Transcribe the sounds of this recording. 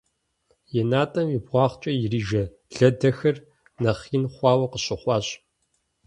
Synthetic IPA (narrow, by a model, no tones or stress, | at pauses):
jɛnaːtʼɐmibʁʷɑːχt͡ʃʼɐjɪriːʒɐ | ɮɐdɐxɐr | nɐχiːnχʷɑːwɐqəɕɪχʷɑːɕʼ